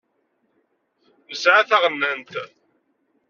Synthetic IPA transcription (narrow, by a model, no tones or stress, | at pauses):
əzʕaθaʁənːənt̪